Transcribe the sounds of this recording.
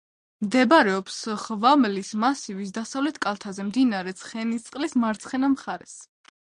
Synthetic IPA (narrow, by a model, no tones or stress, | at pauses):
md̪ɛbaɾɛɔpsχvamlismasivisd̪asavlɛt̪ʰkʼalˠt̪ʰazɛmd̪inaɾɛt̪sʰχɛnist̪sʼqʼlismaɾt̪sʰχɛnamχaɾɛs